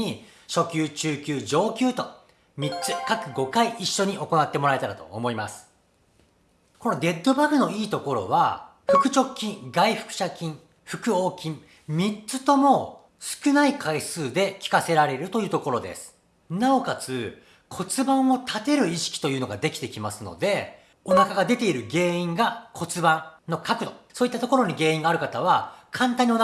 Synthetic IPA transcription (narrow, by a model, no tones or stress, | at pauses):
i | ɕo̞kʲɨːt͡ɕɨːkʲɨːd͡ʑo̞ːkʲɨːt̪o̞ | mʲit͡sɨkakɯ̟ɡo̞kaiʔiɕːo̞ɲ̟iʔo̞ko̞nat̪ːe̞mo̞ɾae̞t̪aɾat̪o̞̰ːmo̞imasɨ̥ | ko̞no̞d̪e̞d̪ːo̞baɡɯ̟no̞iːt̪o̞ko̞ɾo̞̰β̞a | ɸɯ̟kɯ̟t͡ɕo̞kʲːĩŋɡaiɸɯ̟̥kɯ̟̥ɕakʲĩɴ | ɸɯ̟kɯ̟o̞ːkʲĩɴ | mʲit͡sɨt̪o̞mo̞ | sɨ̥kɯ̟naikʰaisɨːd̪e̞kʲi̥kase̞ɾaɾe̞ɾɯ̟t̪o̞jɯ̟ːt̪oko̞ɾo̞d̪ḛsɨ̥ | nao̞kat͡sɨ | kʰo̞t͡sɨbãɰ̃o̞t̪ʰat̪e̞ɾɯ̟iɕi̥kʲi̥t̪o̞jɯ̟ːno̞ɡad̪e̞kʲi̥t̪e̞kʲimasɨno̞̰d̪e̞ | o̞nakaɡad̪e̞t̪e̞iɾɯ̟ɡe̞ːĩŋɡakʰo̞t͡sɨbãŋno̞kakɯ̟d̪osoːit̪ːat̪o̞ko̞ɾo̞ɲ̟iɡe̞ːĩŋɡaːɾɯ̟kat̪aβ̞akʰãnt̪ãɲ̟ion